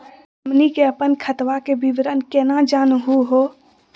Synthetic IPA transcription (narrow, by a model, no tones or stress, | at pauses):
mnikeɐpənkʰət̪ʋakebiʋɾənkeːnad͡ʒaːnɦuɦoː